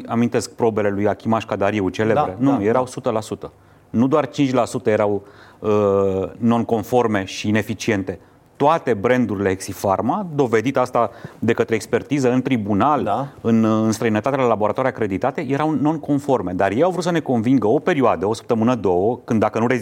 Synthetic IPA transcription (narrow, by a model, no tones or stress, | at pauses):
amint̪e̞sk̚pɾo̞be̞le̞lujakʲimaʃkad̪aɾieut͡ʃelebɾenuje̞ɾawsut̪əlasut̪ə | nud̪oart͡ʃint͡ʃʲlasut̪əjeɾawəno̞nko̞nfo̞rme̞ʃiːne̞fit͡ʃie̞nt̪e̞ | t̪oat̪e̞bɾe̞nd̪uɾile̞eksifarmad̪o̞ve̞d̪it̪ast̪ad̪e̞kət̪ɾe̞ːkspe̞rt̪izəɨnt̪ɾibunalɨnɨnst̪ɾəinət̪at̪elalaboɾat̪oaɾijakɾe̞d̪it̪at̪e̞je̞ɾawno̞nko̞nfo̞rme̞d̪arjejawvɾut̪səne̞ko̞nviŋɡəo̞pe̞ɾioad̪əo̞sə̥pt̪əmɨnəd̪o̞wəkɨnd̪ːakənuɾe